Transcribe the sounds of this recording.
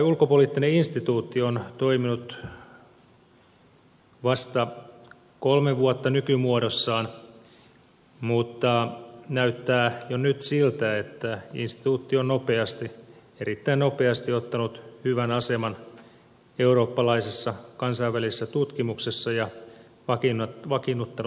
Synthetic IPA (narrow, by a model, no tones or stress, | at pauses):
ulkopoliːt̪ːineinst̪it̪uːt̪ːiont̪oiminut̪ | ʋɑst̪ɑ | kolmeʋuot̪ːɑnykymuodosːɑːn | mut̪ːɑnæyt̪ːæːjonyt̪silt̪æet̪ːæḭnst̪i̥t̪uːt̪ːionnopeɑst̪i | eɾit̪ːæinnopeɑst̪iot̪ːɑnut̪hyʋænɑsemɑn | euɾoːpːɑlɑisesːɑkɑnsɑiʋːælisesːæt̪ut̪kimuksesːɑjɑ | ʋɑkinʋɑkinːut̪ːɑn